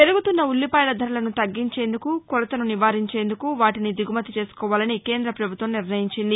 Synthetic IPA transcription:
peɾuɡut̪unːɐulːipɐːjlɐd̪ʱɐɾulɐnut̪ɐɡːiɲt͡ʃe̞ːnd̪ukukuɾɐt̪ɐnuniʋaːɾiɲt͡ʃe̞ːnd̪ukuʋaːʈinid̪iɡumɐt̪it͡ʃe̞ːsu̥kɔːʋaːlɐnike̞ːnd̪ɾɐpɾɐbʱut̪ʋɐmniɾnɐjiɲt͡ʃind̪i

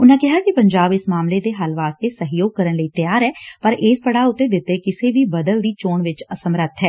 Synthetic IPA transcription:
ʊnɦãkɛɦakipɐ̃ɲd͡ʒaːbɪsmaːmlet̪eɦɐlʋaːst̪esɐɦjoːɡ̚kəɾənləit̪əjaːɾɦɛːpɐɾeːspɐɽaʊt̪ːed̪ɪt̪ːekɪsebʱibɐd̪əld̪it͡ʃoːɳʋɪt͡ʃɐsəmɾət̪ʰɦɛː

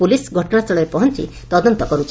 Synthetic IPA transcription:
pulisɡʱɔʈɔnasɔɭɔɾepɔɦɔnt͡ʃḭ | t̪ɔd̪ɔnt̪ɔkɔɾut͡ʃʰ

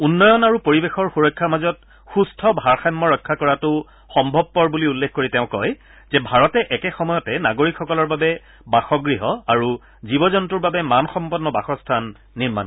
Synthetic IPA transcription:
unːɔjɔnaɹupoɹibexɔɹxuɹɔjkʰːamazɔt | xustʰɔbʱaɹxajmːɔɹɔjkʰːakɔɹatʊ | xɔmbʱɔb̚pɔɹbuliulːexkoɹiteʊ̃kɔj | zɛbʱaɹɔtɛʔɛkɛxɔmɔjɔtɛnaɡoɹikʰxɔkɔlɔɹbabɛ | baxɔɡɹiɦɔaɹu | zibɔzɔntuɹbabɛmanxɔmpɔnːɔbaxɔstʰanː | iɹma̰n

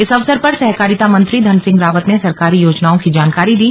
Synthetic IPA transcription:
ɪsɐʋsəɾpɐɾsɛɦkaːɾit̪amɐ̃nt̪ɾid̪ʱɐnsɪ̃ŋɡɾaːʋət̪nesɐɾkaːɾijoːd͡ʒnaːõkid͡ʒaːnkaːɾid̪iː

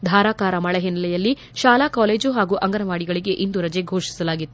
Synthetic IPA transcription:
d̪ʱaːɾaːkaːɾɐmɐɭɐɦinːɐlɛjɐlːi | ʃaːlaːkaːleːd͡ʒuɦaːɡuʔɐŋɡɐnɐʋaːɽiɡɐɭiɡe̞ʔind̪uɾɐd͡ʒeɡʱoːʂi̥sɐlaːɡit̪ːu̥

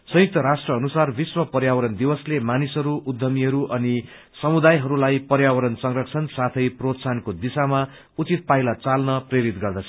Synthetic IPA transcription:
sʌjik̚t̪ʌɾasʈrʌːnusarbiswʌpʌrɾjawʌɾʌnd̪ibʌslemanisɦʌɾuʔud̪ʱːʌmiɦʌɾuʔʌni | sʌmud̪ajɦʌɾulajpʌrjawʌɾʌnsʌŋrʌk̚t͡sʰʌnsat̪ʰʌjprot̪sankod̪isama | ut͡sit̪̚pajlat͡salnʌpreɾit̪ɡʌrd̪ʌt͡sʰʌ

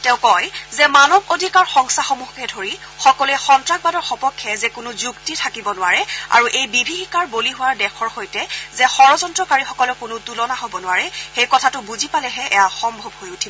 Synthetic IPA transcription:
tɛʊ̃kɔjzɛmanɔbodʱikaɹxɔŋsaxomuxkɛdʱoɹi | xɔkɔlɛxɔntɹaɡ̚badɔɹxɔpɔkʰːɛzɛkʊnʊzuktitʰakibɔnʊwaɹɛa̰ɹuʔejbibʱixikaɹboliɦʊwaɹdɛkʰɔɹxojtɛzɛxɔɹɔzɔntɹɔkaɹixɔkɔlʊkʊnʊtulɔnaɦobɔnʊwaɹɛxejkɔtʰatʊbuzipalɛɦɛʔɛjaxɔmbʱɔbɦojutʰibɔ

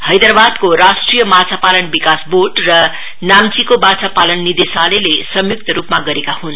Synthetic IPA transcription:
hʌjd̪ʌrbad̪koɾasʈrijʌmat͡sʰapalʌnbikasboɖrʌ | namt͡sikobat͡sʰapalʌnːid̪esalelesʌmjuk̚t̪ʌɾupmaɡʌɾekahun

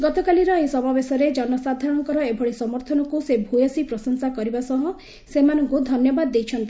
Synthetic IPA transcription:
ɡɔt̪ɔkaliɾɔesɔmabesɔɾed͡ʒɔnɔsad̪ʱaɾɔɽ̃ɔkɔɾɔebʱɔɭisɔmɔɾt̪ʰɔnɔkusebʱujɔsipɾɔsɔŋsakɔɾibasɔɦɔ | semanɔŋkud̪ʱɔnjɔbad̪ːejt͡ʃʰɔnt̪i

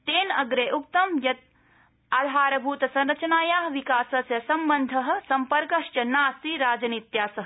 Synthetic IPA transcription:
t̪eːnɐɡɾeːʔuk̚t̪ɐmjɐt̪̚ | aːd̪ʱaːɾɐbʱuːt̪ɐsɐ̃nɾɐt͡ʃɐnaːjaːɦʋikaːsɐsjɐsɐmbɐnd̪ʱɐɦɐ̆sɐmpɐɾkɐʃt͡ʃɐnaːsiɾaːd͡ʒɐnit̪jaːsɐɦɐ

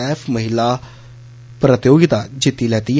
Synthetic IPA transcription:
ɛːpʰməɦɪlaː | pɾət̪joːɡɪt̪aːd͡ʒɪt̪ːiːlɛːt̪iː

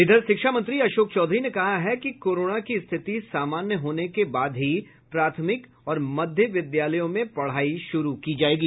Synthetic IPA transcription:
ɪd̪ʱəɾʃɪkʃamɐ̃nt̪ɾiɐʃoːkt͡ʃɔːd̪ʱɾinekɐɦaɦɛkikoːɾoːnakist̪ʰɪt̪isaːmaːnjəɦoːnekebaːd̪ɦi | pɾaːt̪ʰəmɪk | ɔːɾmɐd̪ʱjəʋɪd̪jaːləjõmẽpɐɽ̤aːiʃʊɾukid͡ʒaːeːɡiː

